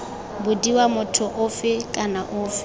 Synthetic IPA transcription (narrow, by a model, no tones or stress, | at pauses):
bʊdiwamʊtʰʊʔʊfɪkʼanaʔʊːfɪ